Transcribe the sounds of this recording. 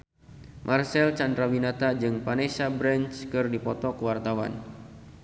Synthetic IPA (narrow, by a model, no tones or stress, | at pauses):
mʔarsɛlt͡ʃandɾawinat̪ad͡ʒɨŋpanesabɾɛnt͡ʃkɨrdipɔt̪ɔkəwart̪awa̰n